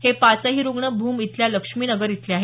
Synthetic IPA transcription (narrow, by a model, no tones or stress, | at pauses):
hepat͡səɦiːɾuɡɳəbʱuːmit̪ljaləkʂmiːnəɡəɾit̪leaɦe